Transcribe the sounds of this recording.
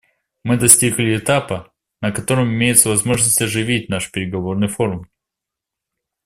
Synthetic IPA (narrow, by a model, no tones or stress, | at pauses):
mɨd̪ɐsʲtʲiɡlʲɪɪt̪apɨ | nəkɐt̪o̞ɾəmɪmʲejɪt̪səvɐzmo̞ʐnəsʲtʲɐʐɨvʲitʲnaʂpʲɪɾʲɪɡɐvo̞rnɨjfo̞ɾʊm